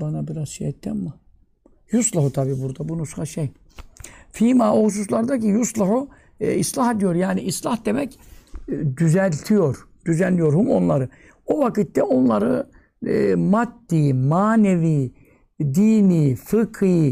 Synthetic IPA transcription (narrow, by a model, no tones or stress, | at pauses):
banabiɾazʃijɛt̪ʰːɛmma | juslˠaɦut̪ʰabiːbuɾd̪abunuskaʃej | fiːmaohus̬us̬lˠaɾd̪acijuslˠaɦu | islˠaɦed̪ijo̞ɾjaːniʔislˠahd̪e̞mɛc | d̪yzælʲt̪ʰijo̞ɾ | d̪̥yzænlʲijo̞ɾhumo̞nlˠaɾɯ | ovakɯt̪ːɛo̞nlˠaɾɯ | mat̪ːiːmaːneviː | d̪iːniːfɯkʰɯj